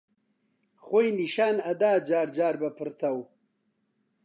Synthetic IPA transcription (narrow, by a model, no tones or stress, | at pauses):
xojniʃaːnɐd̪aːd͡ʒaːɾd͡ʒaːɾbapəɾt̪aw